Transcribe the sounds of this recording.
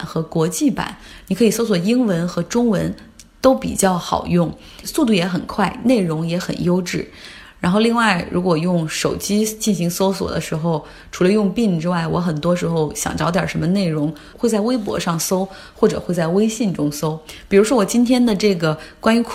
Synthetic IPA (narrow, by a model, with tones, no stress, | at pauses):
nxɤ˧˥kwɔ˧˥t͡ɕi˥˩pa̰˨˦nni˨˩kʰɤ˧˥i˨˩so˥ʊs̬wɔ˨˩i˥ŋwə˧˥nxɤ˧˥ʈ͡ʂʊ˥ŋwə˧˥n | t̪o˥ʊpḭ˨˩t͡ɕjɑ˥˩ʊxɑ̰˨˩ʊjʊ˥˩ŋ | su˥˧t̪̬u˥˩jɛ˧˥xə˨˩nkʰwa˥˩ɪne˥˩ɪɻʊ˧˥ŋjɛ˧˥xə̰˨˩njo˥ʊʈ͡ʂɻ̩˥˩ | ɻa˧˥nxo˥˧ʊli˥˧ŋwa˥˩ɪɻu˧˥kwɔ˨˩jʊ˥˩ŋʂo˨˩ʊt͡ɕi˥t͡ɕi˥˩nɕi˧˥ŋso˥ʊswɔ̰˨˩d̪ə˦ʂɻ̩˧˥xo˥˧ʊ | ʈ͡ʂʰu˧˥lə˧jʊ˥˧ŋpi˥˩ŋʈ͡ʂɻ̩˥wa˥˩ɪwɔ˧˥xə˨˩nt̪wɔ˥ʂɻ̩˧˥xo˥˧ʊɕjɑ̰˨˩ŋʈ͡ʂɑ˧˥ʊt̪jɑ̰˞˨˩ʂə˧˥nmə˧ne˥˩ɪɻʊ˧˥ŋ | xwe˥˧ɪt͡sa˥˩ɪwe˥ɪp̬wɔ̰˧˥ʂɑ˥˩ŋso˥ʊ | xwɔ˥˩ʈ͡ʂɤ̰˨˩xwe˥˧ɪt͡sa˥˩ɪwe˥ɪɕi˥˩nʈ͡ʂʊ˥ŋso˥ʊpi˨˩ɻu˧˥ʂwɔ˥wɔ˨˩t͡ɕi˥nt̪ʰjɛ˥nd̪ə˨ʈ͡ʂɤ˥˩ɡə˩kwa˥ny˧˥kʰ